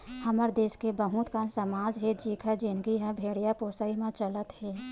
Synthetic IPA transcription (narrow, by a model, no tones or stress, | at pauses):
həməɾd̪eːskebəɦũt̪kansəmaːd͡ʒɦɛd͡ʒiːkʰad͡ʒɪnɡiɦɛ̃bʱeːɽijapoːsəimãt͡ʃələt̪hɛː